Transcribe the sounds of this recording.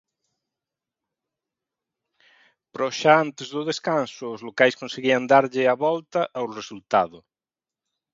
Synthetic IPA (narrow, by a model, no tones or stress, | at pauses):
pɾɔʃaant̪ezðʊðeskansʊːzlokajskõnseɣiɐnd̪aɾʎɪaβɔlt̪ɐʔawresult̪aðʊ